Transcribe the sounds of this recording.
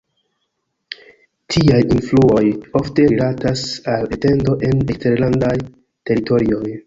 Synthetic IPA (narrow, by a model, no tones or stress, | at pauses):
tʰiajinfluo̞jo̞fte̞ɾilatasalete̞ndo̞ʔe̞nekste̞ɾlandaj | te̞ɾito̞ɾio̞j